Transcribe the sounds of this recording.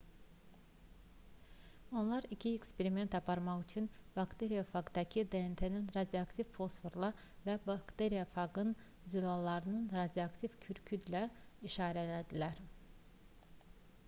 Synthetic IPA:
o̞nlˠɑɾicʰiekspeɾime̞nt̪ɑpʰɑɾmɑχyt͡ʃʰynb̥ɑkt̪ʰeɾijafɑɡd̪ɑcʰid̪eent̪ʰeninɾɑd̪iɑkt̪ʰivfo̞sfoɾlˠɑ | væbɑkt̪eɾijafɑɡɯn | zylɑlˠːɑɾɯnɯnɾɑd̪ijoɑkt̪ʰivcʰyɾcʰyd̪læiʃɑːɾælæd̪ilæɾ

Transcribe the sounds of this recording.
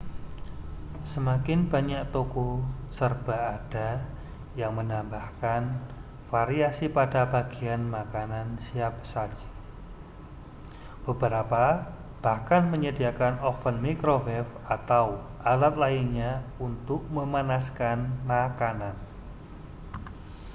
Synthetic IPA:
səmakɪnb̥aɲaʔt̪okɔsərb̥a̤ːd̥a | jaŋmənambahkan | faɾiasipadabaɡ̥i̤anmakanansiap̚sad͡ʒ̥i̥ | b̥əbəɾapa | b̥ahkanməɲədiakanɔfənmikɾovɛf | at̪awʔalat̪̚lainɲaunt̪ʊk̚məmanaskanmakanan

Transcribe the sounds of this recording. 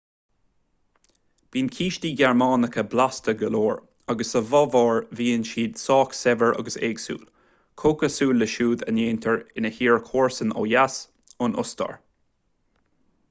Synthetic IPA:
b̥iːnkʰiːʃtiːɡɛɹmɑːnəkʰəblast̪əɡəloːɹ | aɡəsəvɑvɑːɹviːənʃiːd̪̥sɑːksɛvəɹʔɑ̰ɡəsḛːɡsṵːl | kʰoːkəsuːlːəʃuːd̪ə̰neːnt̪ʰəɹɪnəhiːɹkʰoːɹsəno̰ːjas | ʊnʊ̰st̪ɑ̰ɹ

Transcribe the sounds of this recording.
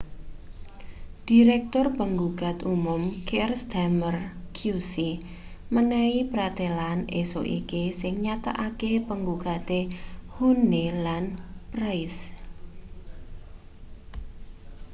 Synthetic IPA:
d̥iɾɛk̚t̪ʊrpəŋɡuɡ̥a̤t̪umʊmkɛrsd̪̥amərkʰjusi | mənɛipɾat̪elaneso̰ʔḭkisɪŋɲat̪a̰ʔakepəŋɡuɡ̥a̤t̪ehunelanprajs

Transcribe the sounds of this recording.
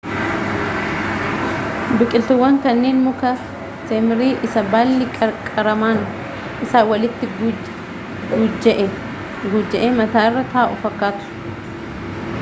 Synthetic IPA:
bɪkʼɪlt̪ʊwːɐŋkɐnːeːnmʊkɐ | semɪɾiːʔɪsɐbaːlːɪkʼɐɾkʼɐɾɐmaːn | ʔɪsaːwɐlɪt̪ːɪɡ | ɡʊd͡ʒːɐʔe | ɡʊd͡ʒːɐʔeːmɐt̪aːɪrːɐt̪ɐaːʔʊfɐkːaːt̪ʊ̥

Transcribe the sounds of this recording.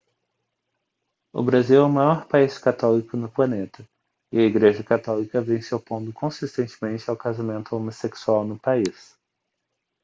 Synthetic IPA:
ʊ̰bɾaziwɛʊmajɔɾpaiskat̪ɔlikʊnʊplɐnet̪ɐ | ɪɐiɡɾeʒɐkat̪ɔlikɐvẽj̃sawpõnd̪ʊkʰõsist̪ẽnt͡ʃɪ̥mẽnt͡ʃɪawkazamẽnt̪ʊomoseksuawnʊpais

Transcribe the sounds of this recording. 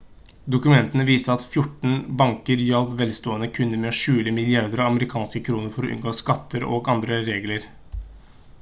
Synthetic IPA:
d̪ʊkʉmɛnt̪ənəʋiːst̪əɑt̪fjʊʈɳ̩bɑŋkəɾjɑlpʋɛlst̪oːənəkʰʉnːəɾmɛɔʃʉːləmɪlɪɑɾd̪əɾɑɑməɾɪkʰɑːnskəkʰɾuːnəɾfɔɾɔʔʉ̰nɡoːskɑt̪ʰːəɾo̰ːɡɑnd̪ɾəɾeːɡləɾ

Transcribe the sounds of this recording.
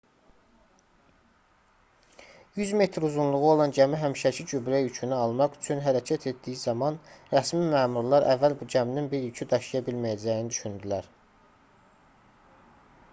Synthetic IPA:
jyzme̞t̪ʰɾuzunlˠuʁuo̞lˠɑnd͡ʒæmiɦæmʃæcʰid͡ʒybɾæjycʰynyɑlˠmɑʁy̥t͡ʃʰynɦæɾæcʰæt̪ʰe̞t̪̚d̪ijizɑmɑnɾæsmimæːmuɾlˠɑɾʔæ̰vːælbud͡ʒæmininbiɾjycʰyd̪ɑʃijɑbilmæjæd͡ʒæjinid̪yʃynd̪ilæɾ

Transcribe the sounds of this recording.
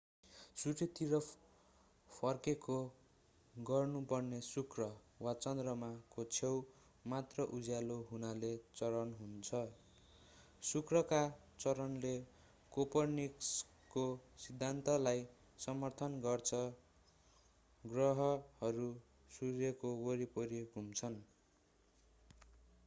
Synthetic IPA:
suʈʰet̪iɾʌ | pʰʌrkeko | ɡʌrnupʌrnesukrʌ | wat͡sʌnd̪rʌmakot͡sʰew | mat̪rʌʔud͡zjaloɦunalet͡sʌɾʌnɦunt͡sʰʌ | sukrʌka | t͡sʌɾʌnle | kopʌrniks | kosid̪ʱːant̪ʌlaj | sʌmʌrt̪ʰʌnɡʌrt͡sʰʌ | ɡrʌɦʌhʌɾu | surjekowoɾipʌɾeɡʱumt͡sʰʌn

